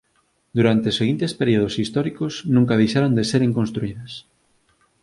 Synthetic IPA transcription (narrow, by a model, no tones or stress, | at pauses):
d̪uɾant̪eseɣint̪espeɾioð̞osist̪ɔɾikosnũŋkaðejʃaɾand̪eseɾeŋkonst̪ɾuiðɐs